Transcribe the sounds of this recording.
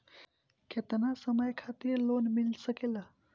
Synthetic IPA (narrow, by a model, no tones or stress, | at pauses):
kʰet̪nasəməjkʰat̪iːɾlonmilsəkela